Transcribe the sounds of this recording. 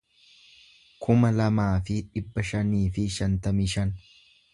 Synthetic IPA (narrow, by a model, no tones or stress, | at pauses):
kʰʊmɐlɐmaːfɪᶑɪbːɐʃɐniːfɪʃɐnt̪ɐmɪʃɐn